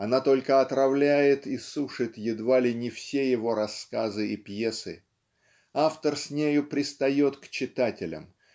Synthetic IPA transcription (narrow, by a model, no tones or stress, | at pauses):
ɐnat̪o̞lʲkəɐt̪ɾɐvlʲæjɪt̪isuʂɨt̪jɪd̪valʲɪnʲɪfsʲejɪvo̞ɾɐskazɨipje̞sɨ̰ | aft̪ərsʲnʲejʊpɾʲɪst̪ɐjo̞t̪kt͡ɕɪt̪atʲɪlʲə̰m